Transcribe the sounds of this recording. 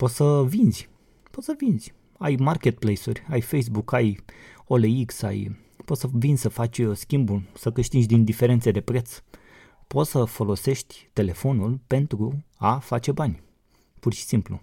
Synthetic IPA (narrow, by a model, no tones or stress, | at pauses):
po̞t̪səvinzʲ | po̞t̪səvinzʲ | ajmarkʲe̞t̪̚plejsurʲajfejs̬bukajo̞leiksa̰j | po̞t̪səvinʲsəfat͡ʃʲskʲimbulsəkɨʃt̪it͡ʃd̪ind̪ife̞ɾe̞nt̪sed̪e̞pɾe̞t̪s | po̞t̪səfo̞lo̞se̞ʃt̪ʲt̪e̞le̞fo̞nulpe̞nt̪ɾuafat͡ʃe̞banʲ | purʃi̥simplṵ